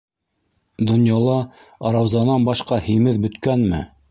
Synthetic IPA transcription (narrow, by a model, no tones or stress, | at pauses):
d̪ŏnjɑlˠɑ | ɑɾɑwzɑnɑnbɑʃqɑhimɘðbɵ̆t̪kænmɘ̰